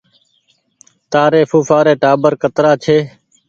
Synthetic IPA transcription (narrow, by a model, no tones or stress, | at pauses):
t̪aːɾeːfuːfaːɾeːʈaːbəɾkət̪ɾaːt͡ʃʰeː